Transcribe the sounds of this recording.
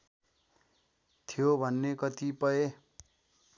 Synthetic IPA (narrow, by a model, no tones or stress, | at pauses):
t̪ʰijobʱʌnːekʌt̪ipʌe